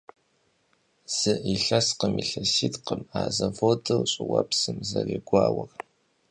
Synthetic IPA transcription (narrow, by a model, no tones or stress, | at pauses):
z̥ɨʔiɬɐsqəmiɬɐsitqəmaːzɐvodɐwɕʼɪwɐpsɨmzɐrḛːɡʷaːwɐr